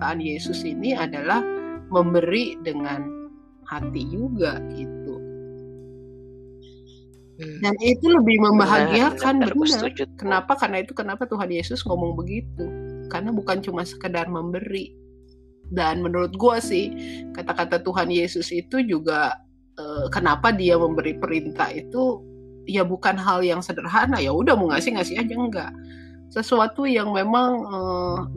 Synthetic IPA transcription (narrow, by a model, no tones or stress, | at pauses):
aːnjesʊsiniadalahməmbəɾidəŋan | hat̪id͡ʒuɡaʔɡit̪̚u | danit̪uləbɪhməmbaɦaɡiakanbənəkənapakarnait̪ukənapat̪uɦanjesʊsŋomɔŋbəɡit̪ukarnabukant͡ʃumasə̥kədarməmbəɾi | danmənuɾʊt̪̚ɡuasɪhkat̪akat̪at̪uɦanjesʊsit̪ud͡ʒuɡa | əːkənapadiaməmbəɾipəɾint̪a̰hit̪u | jabukanɦaljaŋsədərɦanajaudahmuŋasɪhŋasiad͡ʒaəŋɡaʔ | səsuat̪ujaŋmemaŋə